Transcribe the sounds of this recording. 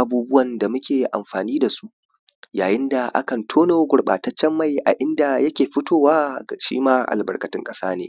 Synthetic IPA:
ʔa˨˦buː˦bʊ˦wɐ˨nda˨mʊ˦kʲeː˨ʔa̰˨mɸaː˨niː˦da˨su˦ | jaː˨jɪ˦nda˨ʔa̰˦kɐ˨ntʰoː˦noː˨˦ɡʷʊ˨ɽɓa̰ː˨tɐ˦t͡ʃːɛ˦mːa˦˨jʔa̰˨ʔɪ˦nda˨jɐ˦kʲeː˨ɸɪ˦tʰoː˦˨waː˦˨ʃḭː˦maː˦ʔa̰˨lbɐ̰˨rkʼɐ˨tɪ˦ŋkʼɐ˦saː˦neː˨

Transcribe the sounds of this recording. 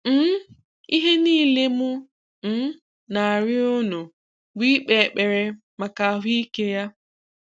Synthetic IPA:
n̩˦ | i˦ɦe˦niː˦˨le˦mʊ˦ | n̩˦ | na˨a˨ɾɪ˦ʊ˦nʊ˨ | bi˦k͡pe˨k͡pe˨ɾe˨ | ma˨ka˨ɦi˦i˦ke˦ja˦

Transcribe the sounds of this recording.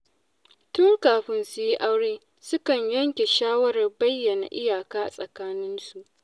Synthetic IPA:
tʊ˦ŋkaː˨ɸɪ˦nsʊ˨ji˦ʔa˦wɽeː˦ | sʊ˦kɐ˨ɲjɐ˦ŋkʲe˨ʃaː˦wɐ˦ɾɐ˨rbɐ˦jːɐ˨na̰˨ʔɪ˦jaː˨kaː˦ʔa˨sʼɐ˨kaː˦nɪ˦nsu˨ʔ

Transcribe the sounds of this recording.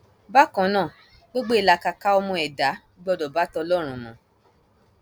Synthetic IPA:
ba˦kã˨˦nãː˦˨ | ɡ͡bo˦ɡ͡bo˦i˨la˧ka˧ka˧ɔ˧mɔ̃˧ɛ˨da˨˦ | ɡ͡bɔ˦˧dɔ˨ba˨˦tɔ˧lɔ˦˨ɾ̃ũ˨nã̰˨˦

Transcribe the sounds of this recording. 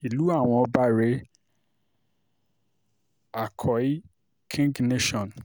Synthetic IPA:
i˨lu˦a˦˨w̃ɔ̃˦˧ɔ˦ba˦ɾe˦ | a˨kʰɔ˨i˦ | kʰĩ˦ŋɡne˦ʃɔ̃˨n

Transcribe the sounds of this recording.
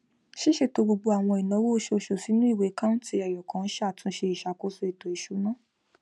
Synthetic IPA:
ʃi˦ʃe˦˨to˧bo˧ɡ͡bo˧a˨w̃ɔ̃˧i˨nɔ̃˨˦wo˦o˧˦ʃo˧ʃo˨si˨˦nũ˦i˦˨we˨˦kã˦ñ̩˦ti˧˦ɛ˨jɔ˨kã˨˦n̩˦ʃa˦˨tʰũ˨˧˦ʃe˧i˨ʃa˨˦ko˦so˦i˨tɔ˨i˨ʃu˨˦nã˦

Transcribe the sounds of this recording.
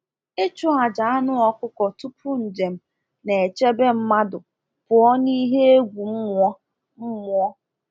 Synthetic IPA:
e˦t͡ʃʊ˦a˨d͡ʒa˨a˦nʊ˦ɔ˦kʊ˦kɔ˨tu˦pʊ˦n̩˨d͡ʒe˨m̩˦ | ne˨e˨t͡ʃe˦be˦m̩˦ma˦dʊ˨ | pʊ˨ɔ˦ni˦ɦe˦e˦ɡʷu˨m̩˦mʊ˦ɔ˦ | m̩˦mʊ˦ɔ˦

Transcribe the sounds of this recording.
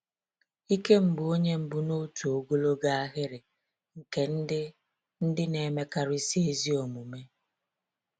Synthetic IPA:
i˦ke˦m̩˨bʊ˨o˦ɲe˦m̩˨bʊ˨no˦tu˨o˨ɡo˦lo˦ɡa˦a˦ɣɪ˦ɾɪ˨ | ŋ̩˨ke˦n̩˦ɪ˦ | n̩˦dɪ˦ne˨me˦ka˦ɾʊ˦i˦si˦e˦zi˦o˨mu˨me˦

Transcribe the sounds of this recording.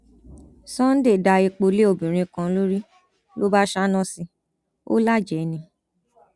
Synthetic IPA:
sɔ̃˦n̩˦de˦˨da˧e˧k͡po˧le˦o˨bĩ˨ɾ̃ĩ˧kã˧˦lo˦ɾi˦ | lo˦ba˦ʃa˦nɔ̃˦˨si˧ | o̰˦la˦˨d͡ʒɛ˨nĩ˧

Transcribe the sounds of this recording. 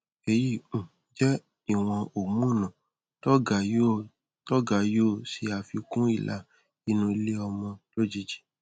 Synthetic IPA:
e˨ji˦˨ũ˨ | d͡ʒɛ˦ | i˦˨w̃ɔ̃˧o˨mũ˦˨nã˨ | tɔ˦ɡa˨jo˦˨ | tɔ˦ɡa˨jo˦˨si˧˦a˧fi˧kũ˦i˦˨la˦˨ | i˧˦nũ˧i˧le˦ɔ˧mɔ̃˧lo˦d͡ʒi˧d͡ʒi̥˦

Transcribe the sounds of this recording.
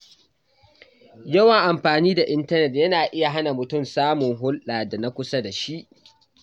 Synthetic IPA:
jɐ˦wɐ˨ŋʔa˨mɸaː˨niː˦da˨ʔɪ˦ntɐ˦nɛ˨tjɐ˦naː˨ʔɪ˦ja˨ɦa˦na˨mʊ˨tʊ˦˨msaː˦mʊ˨ŋɦʊ˦lɗaː˨da˨na˦kʷʊ˦sa˦da˨ʃi˦ʔ

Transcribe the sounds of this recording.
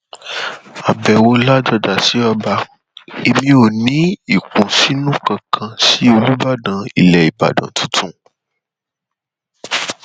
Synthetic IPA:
a˨bɛ˨wo˧la˦d͡ʒɔ˧da˨si˨˦ɔ˧ba˧ | e˧mĩ˧o˨nĩ˨˦i˨kũ˨si˨˦nũ˦kã˧kʰã˧si˦o˧lu˦ba˦dã˧i˨lɛ˨i˨ba̰˨dã̰˨tʰũ˨˦tũ˦˨

